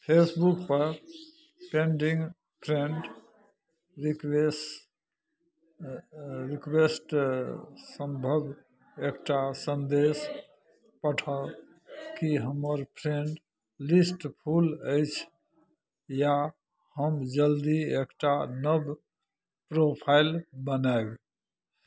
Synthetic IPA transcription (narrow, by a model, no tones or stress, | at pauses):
pʰesbukpəɾ | peɳɖiŋɡ | pʰɾeɳɖ | ɾikes | ɾikwesʈ | səmbʱəb | ekʈasənd̪es | pəʈʰə | kiɦəməɾpʰɾeɳʈ | lisʈpʰuləɪt͡ʃʰ | ja | həmd͡ʒəld̪iekʈanəb | pɾopʰajlbənaeb